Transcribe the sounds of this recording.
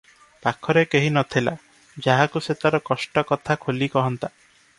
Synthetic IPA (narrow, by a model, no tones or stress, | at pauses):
pakʰɔɾekeɦinɔt̪ʰila̰ | d͡ʒaɦakuset̪aɾɔkɔsʈɔkɔt̪ʰakʰolikɔɦɔnt̪a